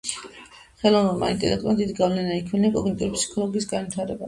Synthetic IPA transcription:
χɛlˠɔvnɛlˠma̰ḭnt̪ʼɛ̰lɛk̚ʰt̪ʼuɾad̪id̪iɡavlɛnaikʰmilakʼɔɡnit̪ʼuɾipsi̥kʰɔlˠɔɡiːsɡanvwit̪ʰaɾɛba̰

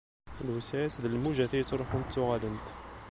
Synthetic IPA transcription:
lwəsææsðəlmuʒæθijət͡sːɾˤoħʊnt̪ːʊʁælənt̪

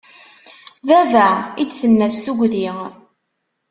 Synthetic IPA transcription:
vævæʕid̪θənːæsθuɡʷði

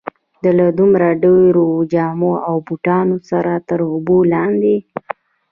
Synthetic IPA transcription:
d̪əlad̪umɾaɖeɾod͡ʒɑmoawbuʈɑnosaɾat̪əɾʊbolɑnd̪e

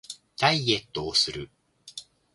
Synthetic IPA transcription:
d̪̥aiɡe̞t̪ːoːsɨɾɯ̟

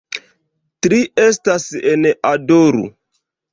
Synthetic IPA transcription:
tɾiestasenadoɾṵ

